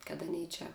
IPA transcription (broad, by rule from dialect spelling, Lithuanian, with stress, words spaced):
kɐt ɐˈnʲɛɪ ˈt͡ʃʲɛ